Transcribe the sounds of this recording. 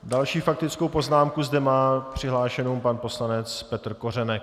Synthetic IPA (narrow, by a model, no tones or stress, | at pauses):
dalʃiːfak̚t̪ɪt͡skowpo̞znaːmkuzdɛmaːpr̝̥ɪɦlaːʃɛnompanpo̞slanɛt͡spɛt̪r̩ko̞rɛnɛk̚